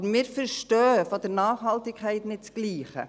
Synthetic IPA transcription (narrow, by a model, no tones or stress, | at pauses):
bəɾmɪːɾfəɾʃtœːfod̥̪əɾnɑːχhɑltɪkʰɛɪtnɪt̚t͡sɡ̥liːχə̰